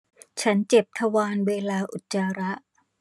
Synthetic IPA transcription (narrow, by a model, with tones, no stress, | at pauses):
t͡ɕʰa˦˥nt͡ɕe˨˩p̚t̪ʰa˧waː˧nweː˧laː˧ʔu˨˩t̪̚t͡ɕaː˧ɾa˦˥ʔ